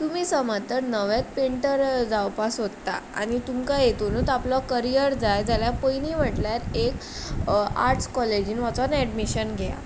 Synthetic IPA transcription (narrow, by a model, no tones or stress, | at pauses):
t̪umiːsəmat̪əɾnəʋjat̪̚peɳʈəɾd͡zawpasɦot̪ːa̰a̰ñit̪umkajet̪onut̪aplɔkəɾijəɾd͡zajd͡zaljapəjniʋ̤əʈljaɾek | a̰ɾʈskɔled͡ʑinʋat͡sanɛɖmiɕənɡʱɛja̰